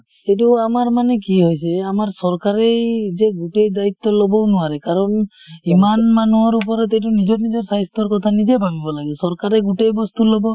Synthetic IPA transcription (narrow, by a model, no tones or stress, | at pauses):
etuamaɹmanɛkiɦojsɛamaɹsɔɹkaɹejzɛɡuʈejd̪ait̪ːɔlɔbɔnʊwaɹɛkaɹɔnimanmanuaɹup̬ɔɾɔt̪ɛt̬unizɔtnizɔɹsajst̪ɔɹkɔt̪ʰanizebʱabibɔlaɡɛsɔɹkaɾɛɡuʈejbɔst̪ulɔbɔ